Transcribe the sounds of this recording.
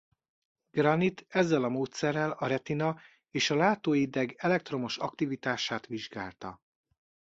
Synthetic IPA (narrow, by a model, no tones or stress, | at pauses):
ɡ̥rɒnit̪ɛzːɛlɒmoːt̪sɛrːɛlɒɾɛt̪inɒ | eːʃɒlaːt̪oːjid̪ɛɡɛlɛk̚t̪ro̞mo̞ʃɒkt̪ivit̪aːʃaːt̪ʋiʒɡa̰ːlt̪ɒ̰